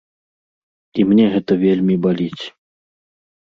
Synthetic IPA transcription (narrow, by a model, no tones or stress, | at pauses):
imnʲɛɣɛt̪ɐvʲelʲmʲibalʲit͡sʲ